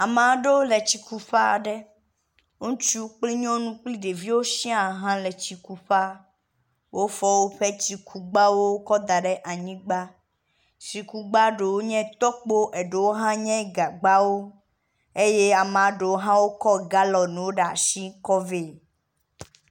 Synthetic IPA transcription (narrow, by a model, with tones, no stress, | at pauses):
a˨mã˨ɖe˦wo˦le˨t͡ɕi˨ku˨ɸa˦˨ɖɛ˦ | o˦nũ˦t͡ʃu˦k͡pli˦ɲɔ̃˦nũ˦k͡pli˦ɖe˨vi˦wo˦sĩ˦a˨ɦã˦le˨t͡ɕi˨ku˨ɸa˦ | wo˦fɔ˦wo˦ɸe˦t͡ɕi˨kʰu˨ɡ͡ba˦wo˦wo˦kɔ˦d̪a˨ɖɛ˦ʔa˨ɲĩ˦ɡ͡ba˦ | si˨ku˨ɡ͡ba˦ɖe˨wo˦ɲɛ̃˦t̪ɔ˦k͡po˦ʔe˨ɖe˨wo˦ɦã˦ɲɛ̃˦ɡa˨ɡ͡ba˦wo˦ | e˦je˦a˨m˨ã˨ɖe˨wo˦ɦã˦wo˦kɔ˦ɡa˦lɔ˨nũ˨wo˦ɖa˨a˨si˦kɔ˦ve˦˨